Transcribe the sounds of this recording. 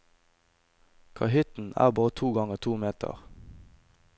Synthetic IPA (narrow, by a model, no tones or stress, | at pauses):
kʰɑɦʏt̪n̩æ̰ːʁbɑːʁət̪ʰuːɡɑŋəʁt̪ʰuːmeːt̪ʰə̰ʁ